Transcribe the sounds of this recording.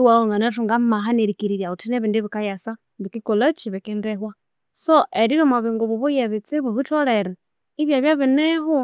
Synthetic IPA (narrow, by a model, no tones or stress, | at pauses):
iwaoŋɡanatuŋɡamaɦaneɾikiɾiɾjautineβindiβikajasa | βikikulat͡ʃiβikindeɦwa | soʔeɾiβimaβiŋɡuβuβujeβit͡siβuβitoleɾe | iβjaβjaβineɦu